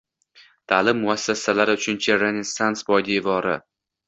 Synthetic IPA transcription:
t̪ʰaːlɪmːʊasːasalaɾɪʊt͡ʃʰʊnt͡ʃʰaɾenɪnst̪ansbɒjd̪evɒɾɪ̰

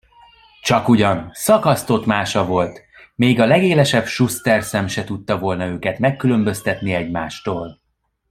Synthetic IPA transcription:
t͡ʃɒkuɟɒnsɒkɒst̪o̞t̪maːʃɒvo̞lt̪ | meːɡɒlɛɡeːlɛʃɛbʃust̪ɛrsɛmʃɛt̪ut̪ːɒvo̞lnɒøːkɛt̪mɛkːylø̞mbø̞st̪ɛt̪niɛɟmaːʃt̪oːl

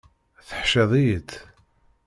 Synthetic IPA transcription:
θə̥ħʃeðˤijət̪

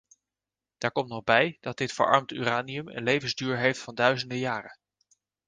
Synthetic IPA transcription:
d̥aːɹkɔmtnɔχbɛjd̥ɑd̚dɪtfə̰ɹʔɑ̰ɹmty̰ːraːniəmə̰nlejvənzdyːɹɦejftfɑndœɥzəndəjaːrə

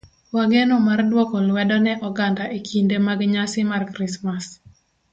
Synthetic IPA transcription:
waɡenomardwɔkɔlwɛdɔnɛʔɔɡandaʔekʰindemaɡɲasɪmarkɾismas

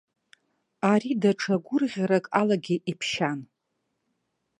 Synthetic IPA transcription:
aɾidaʈ͡ʂʰaɡʷʊrʁʲaɾakʼalaɡʲiʔipʰʃan

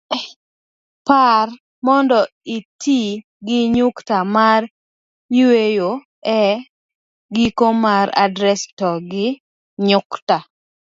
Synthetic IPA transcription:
par | mɔndɔitʰi | ɡɪɲʊktamar | ɲiwejo | ɛ | ɡikomaɾa̰dɾɛstɔɡɪ | ɲʊkta

